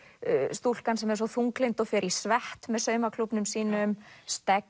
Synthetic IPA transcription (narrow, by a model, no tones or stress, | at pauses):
st̪ul̥kansɛmɛɾs̬ɔθuŋklejnt̪ɔɣfɪɾi̥svɛht̪mɛðsœːɥmakʰlupnʏmsiːnʏmst̪ɛk